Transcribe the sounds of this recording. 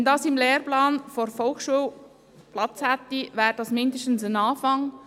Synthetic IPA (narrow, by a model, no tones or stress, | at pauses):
ɛndɑːsɪmleːrplaːnfoɾfɔlxʃuːl | plɑt͡shat̪ivɛːɾd̥ɑsmɪndəʃtn̩sənɑːfɑŋ